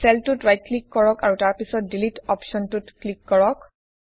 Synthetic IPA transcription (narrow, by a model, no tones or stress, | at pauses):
sɛltutɹajt̚klikːɔɹɔkaɹutaɹpisɔt̚dilitɔpʃɔntʊtklikːɔɹɔk